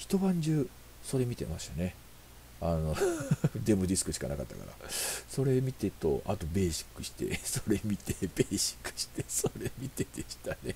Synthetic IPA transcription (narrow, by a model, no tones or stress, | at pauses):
çi̥t̪o̞bãɲ̟d͡ʑɨː | so̞ɾe̞mʲit̪e̞̰maɕi̥t̪ane̞ | ano̞d̪e̞mɯ̟d̪ʲisɨ̥kɯ̟ɕi̥ka̰naka̰t̪ːa̰ka̰ɾa̰so̞ɾe̞mʲit̪e̞t̪o̞̰ʔat̪o̞be̞ːɕi̥kːɯ̟ɕi̥t̪e̞̰so̞ɾe̞mʲit̪ebeːɕi̥kːɯ̟̥ɕi̥t̪esoɾe̞mʲit̪e̞d̪eɕi̥t̪ane